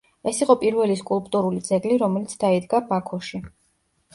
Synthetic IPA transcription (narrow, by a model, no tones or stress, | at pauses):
ɛsiqʼɔpʼiɾvɛliskʼulˠpʼt̪ʼuɾulid̪zɛɡliɾɔmɛlit̪sʰd̪aid̪ɡabakʰɔʃi